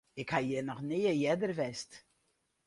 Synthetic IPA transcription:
ɪkhajənɔχneːəjɛdərvɛst

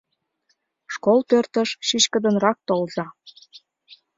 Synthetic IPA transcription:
ʃkolpørt̪əʃʃiɕkə̆d̪ə̆nrɑk̚t̪olzɑ

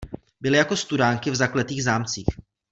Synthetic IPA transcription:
bɪlɪjako̞st̪udaːŋkɪvzaklɛt̪iːɣzaːmt͡siːx

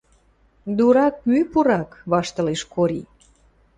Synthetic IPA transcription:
d̪uɾɑk̚mypuɾɑkβɑʃt̪əleʃkoɾḭ

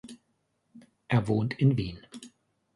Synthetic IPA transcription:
ʔeːɐvoːntʰɪnviːn

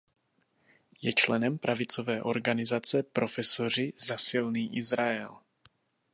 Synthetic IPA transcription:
jɛt͡ʃlɛnɛmpɾʔavɪt͡sovɛːʔo̞ɾɡanɪzat͡sɛpɾo̞fɛsor̝ɪzasɪlniːʔɪzɾaɛl

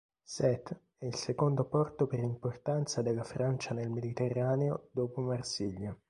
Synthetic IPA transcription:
sɛt̪ː | ɛilsekond̪opɔrt̪opeɾimport̪ant̪sad̪elːafɾʔant͡ʃanelmed̪it̪erːaːneod̪oːpomarsiʎːa

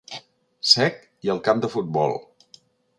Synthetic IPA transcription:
sɛk | iəlˠkamd̪əfut̪̚bɔ̰lˠ

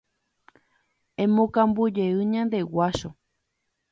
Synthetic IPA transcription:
ẽmõkãmbud͡ʒeɨɲãnd̪e̞waʃo

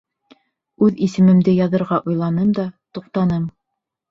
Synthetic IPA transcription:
ʉðisɘ̆mɘ̆md̪ɘjɑðɤ̆ɾʁɑʔujlˠɑnɤmd̪ɑt̪uq̚t̪ɑnɤm

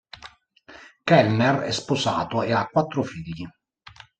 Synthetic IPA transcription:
kɛlnerɛ̰sposaːt̪oeakːwat̪ːɾofiːʎːi

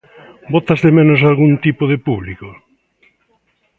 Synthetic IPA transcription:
bot̪azðemenos̬alɣunt̪ipoðepuβliko

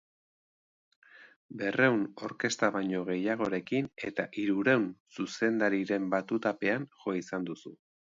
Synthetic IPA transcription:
be̞re̞wno̞̰ɾke̞st̪aβajɲo̞ɣ̞e̞jaɣ̞o̞ɾe̞kine̞t̪aʔiɾuɾe̞wnsuse̞nd̪aɾiɾe̞mbat̪ut̪ape̞anʝo̞isand̪usu

